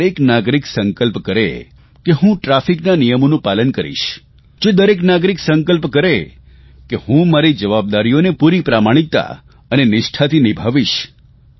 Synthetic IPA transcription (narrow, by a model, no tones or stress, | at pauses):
ɾeknaɡɾiksəŋkəlpkəɾḛ | keɦũʈɾafiknanijəmonũpalənkəɾḭʃ | d͡ʒed̪əɾeknaɡɾiksəŋkəlpkəɾe | kehũmaɾid͡ʒəʋab̚d̪aɾijonepuɾipɾamaɽ̃ikt̪a̰ | ənenɪʃʈʰat̪ʰinibʱaʋiʃ